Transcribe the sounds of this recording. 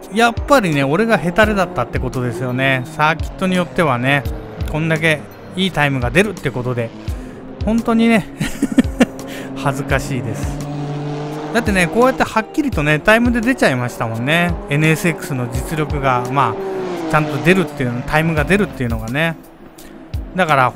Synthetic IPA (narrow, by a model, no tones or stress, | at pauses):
japːaɾʲine̞o̞ɾe̞ɡaɦe̞t̪aɾed̪at̪ːat̪ːe̞ko̞t̪o̞d̪e̞sɨjo̞ne̞sakʲi̥t̪ːo̞ɲ̟ijo̞t̪ːe̞β̞ane̞ | kõ̞nd̪ak̬e̞ | iːt̪aimɯ̟ɡad̪e̞ɾɯ̟t̪ːe̞ko̞t̪o̞d̪e̞ | hõ̞nt̪o̞ɲ̟ine̞ | hazɨkaɕiːd̪e̞sɨ̥ | d̪̥at̪ːe̞ne̞ko̞ːjat̪ːehakʲːiɾʲit̪o̞ne̞t̪aimɯ̟d̪e̞d̪e̞t͡ɕaimaɕi̥t̪amõ̞nːe̞e̞nɯ̟esɨekːɯ̟̥sɨno̞d͡ʑit͡sɨɾʲo̞kɯ̟ɡamaːt͡ɕãnt̪o̞d̪e̞ɾɯ̟t̪ːeɯnt̪ʰaimɯ̟ɡad̪e̞ɾɯ̟t̪ːe̞iɯ̟no̞ɡane̞ | d̪akaɾa